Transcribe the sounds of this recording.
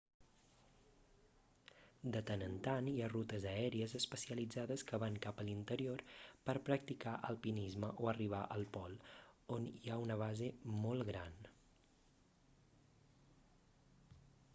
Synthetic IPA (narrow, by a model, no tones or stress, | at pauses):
d̪ət̪ənənt̪aniarut̪əzəɛɾiəzəspəsiəlid͡zaðəskəβaŋkapəlint̪əɾioɾpəɾpɾək̚t̪ikaʔəlˠpinizməʔoəriβ̞aʔəlˠpɔlˠoniaunəβ̞azemolˠɣɾan